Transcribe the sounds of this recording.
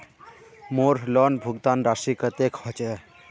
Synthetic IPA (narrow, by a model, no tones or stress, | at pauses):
moɾlɔnbʱuɡt̪anɾaʃikət̪ekʰɔt͡ɕe